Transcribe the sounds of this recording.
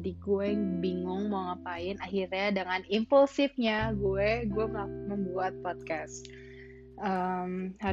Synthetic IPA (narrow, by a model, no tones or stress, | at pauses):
diɡuɛbiŋʊŋmoŋapaɪnaɦirɲadəŋanimpəlsɪfɲaɡuɛɡuɛmaməmbuat̪̚pɔt̪̚kas | ʔəmha